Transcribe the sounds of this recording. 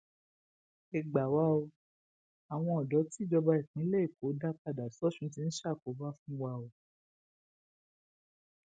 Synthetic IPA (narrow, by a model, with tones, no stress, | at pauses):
e˨ɡ͡ba˨wa˧o˧ | a˨w̃ɔ̃˧ɔ˨dɔ˨˦ti˦d͡ʒɔ˧ba˧i˨k͡pĩ˨˦le˦i˦˨ko˨˦da˦k͡pa˧da˨sɔ˦ʃũ˧˦ti˧˦n̩˦ʃa˦˨ko˨˦ba˦fũ˦wa˧o˧